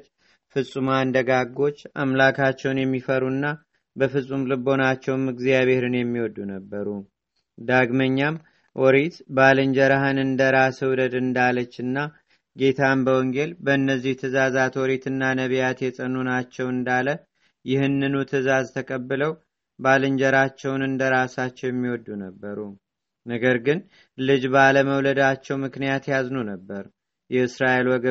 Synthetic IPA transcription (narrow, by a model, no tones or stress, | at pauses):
fɨsʼumand̪əɡaɡːo̞t͡ʃːa̰mlakʰat͡ʃːɛwnjɛmːifəɾunːa | bəfɨsʼumlɨbo̞nat͡ʃːɛwmɨɡzijaβe̞hɾɨnjɛmːiwɔd̪unəbːəɾu | d̪aɡməɲːam | wʔɔɾet̪balɨɲd͡ʒəɾaɦɨnɨnd̪əɾasɨwd̪əd̪ɨnd̪alət͡ʃːɨnːa | ɡe̞t̪ʰambəwɔŋɡelbəɨnːəzːiht̪ʰɨzazat̪wɔɾet̪ʰɨnːanəβjat̪jɛt͡sʼənːunat͡ʃːɛwɨnd̪alə | jɪhɨnːɨnut̪ʰɨzazt̪ʰəkʼəbːɨləw | balɨɲd͡ʒəɾat͡ʃːɛwnɨnd̪əɾasat͡ʃːɛwjɛmːiwɔd̪ːunəbːəɾu | nəɡəɾɡɨn | lɨd͡ʒbaləməwləd̪at͡ʃːɛwmɨknijat̪jaznunəbːəɾ | jɛɨsɾaʔelwɔɡə